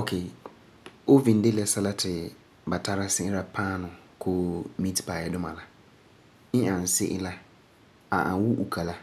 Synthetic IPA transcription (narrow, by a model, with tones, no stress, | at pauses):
o˨kʰeː˨ | o˦vi˨n˦de˦lɛ˦sɛ˦la˦tʰɪ˨ | ba˨tʰa˦ɾa˦sɪ˦ʔɪ˦la˨pʰaː˦nʊ˨kʰoː˦mi˦tpaː˨jɛ˦dʊ˦ma̰˨la˨ | ɪ˦a˨n˨sɪ̰˦ʔɪ˦la˦ | a̰˨ʔa̰˨˦wu˦ʔu˨kʰa˨la˦